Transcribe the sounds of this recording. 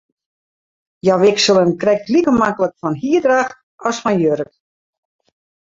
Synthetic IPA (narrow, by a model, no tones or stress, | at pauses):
jaʋɪksəlˠənkrɛk̚tlikəmakələkfɔnɦiədrax | ɔsfɔnjøɾək